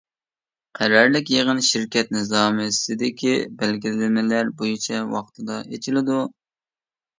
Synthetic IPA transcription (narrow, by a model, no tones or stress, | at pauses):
qʰæɾɑɾlɪkʲjeʁənʃiɾkʲɛt̪̚nɨzɑmɨsɪd̪ɪkʲʰibælɡʲilɪlɪmɪlæɾbojit͡ʃʰɛwɑ̰qt̪ʰɨd̪ɑʔet͡ʃʰilɪd̪u